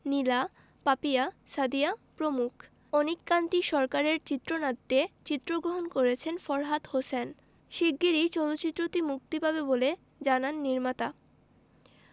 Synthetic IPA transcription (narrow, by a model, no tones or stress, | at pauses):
nila | papiasad̪ijapɾomukʰ | onikːant̪iʃɔɾkaɾeɾt͡ɕit̪ːɾonad̪ːet͡ɕit̪ːɾoɡɾoɦonkoɾet͡ɕʰenfɔɾɦat̪hosen | ʃiɡɡːiɾit͡ɕɔloːt͡ɕɕit̪ːɾot̪imuk̚t̪ipabebole | d͡ʑananːiɾmat̪a